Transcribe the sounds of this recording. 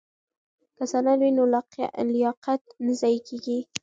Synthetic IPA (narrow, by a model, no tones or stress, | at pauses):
kasɑnalwinolaqa̰ʔlɪjɑqat̪̚nɪzɑjkeɡi